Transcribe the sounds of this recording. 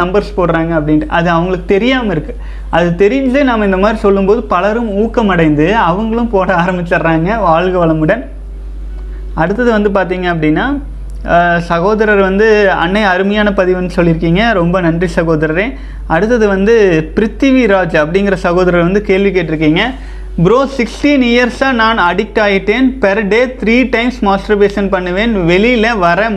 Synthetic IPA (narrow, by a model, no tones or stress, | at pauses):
ɐmbɐɾspoːɽɾaːŋɡɐːpːɐɽɪnɯʔɐðɯɐʋɐŋɡɐɭɯkːɯ̥t̪ɛɾɪjaːmɐɪɾɯkːɯ̥ | ʔɐðɯt̪ɛɾɪjnleːnaːmɐɪnd̪ɐmaːd̪ɾisɔlːɯmpoːðɯpɐlɐɾɯmuːkːɐmɐɽɐɪnd̪ɯɐʋɐŋɡɐɭɯ̃mpoːɽɐaːɾɐmbɪt͡ʃːɐɾɾaːŋɡɐʋaːɻɣɯʋɐɭɐmɯɽɐn | ɐɽɯt̪ːɐðɯʋɐnd̪ɯp̬aːɾt̪̬iːŋɡɐːp̬ːɐɽɪnːaː | sɐɣoːðɐɾɐɾʋɐnd̪ɯɐ̰nːɐɪɐɾɯmɐjaːnɐpɐðɪʋɐnd̪ɯsɔlːɪɾɯkːiːŋɡɐɾɔmbɐnɐndrisɐɣoːðɐɾɐɾẽ | ɐɽɯt̪̬ːɐðɯʋɐnd̪ɯpɪɾɪt̪ːiʋiɾaːd͡ʒɐpːɐɽɪŋɡɪɾɐsɐɣoːðɐɾɐɾʋɐnd̪ɯkeːlʋɪkːeːʈːɪɾɯk̬ːiːŋɡɐ | bɪɾoːsɪksʈiːnɪjɐɾsaːnaːnɐɽɪk̚ʈːaːjɪʈːeːnpɛɾɖeːt̪ɪɾiːʈɐɪmsmaːsʈɾɐpeːsɐnpɐɳːɯʋeːnʋɛɭilɐʋɐɾɐ